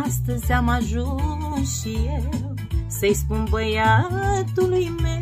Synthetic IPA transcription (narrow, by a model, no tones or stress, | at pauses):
st̪əzʲamaʒunʃijell | səjspunbəjat̪ulujme